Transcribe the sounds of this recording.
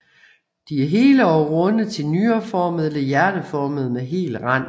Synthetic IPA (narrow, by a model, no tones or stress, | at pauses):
d̥iæɐɦe̝ːləɒʊʁɔ̽nð̩ˠt͡sʰe̝lnyːɐfɒːməðˠelɑjæɐɾ̥əfɒːməð̩ˠmeɦe̝̰ːlʁɑn̰